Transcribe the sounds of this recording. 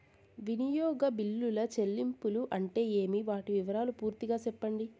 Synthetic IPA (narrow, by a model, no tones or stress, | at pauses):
ʋinijɔːɡɐbilːulɐt͡ʃe̞lːimpuluʔɐɳʈe̞ːeːmiʋaːʈiʋiʋɐɾaːlupuːɾt̪iɡaːt͡ʃɛpːɐɳɖi